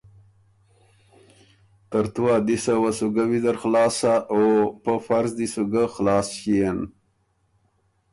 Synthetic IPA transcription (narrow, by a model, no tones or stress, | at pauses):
t̪aɾt̪uwad̪isawasuɡawid̪aɾxlɑːsaopəfaɾzd̪isuɡəxlɑːsʃijan